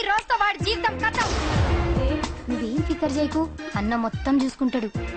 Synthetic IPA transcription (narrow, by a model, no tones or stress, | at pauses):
ɾoːst̪ɐʋaːɽd͡ʒiːʋit̪ɐmkɐt̪ɐm | nuɡe̞ːmpikːɐɾd͡ʒɐjkuɐnːɐmɔt̪ːɐmt͡ʃuːsu̥kuɳʈaːɽu